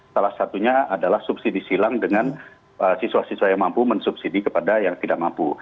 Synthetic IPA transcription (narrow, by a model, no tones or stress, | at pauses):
salahsat̪uɲaadalahsubsidisilaŋdəŋan | əsisuasisuajaŋmampumənsub̚sidikəpadajaŋt̪idaʔ̚mampu